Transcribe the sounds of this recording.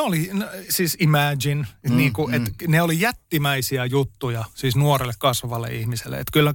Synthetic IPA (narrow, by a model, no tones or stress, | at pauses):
olinsiːsimæːd͡ʒinniːŋkuʔet̪neolijæt̪ːimæisiæjut̪ːujɑsiːsnuorelːekkɑsʋɑlːḛihmisḛlːḛḛt̪kylːæ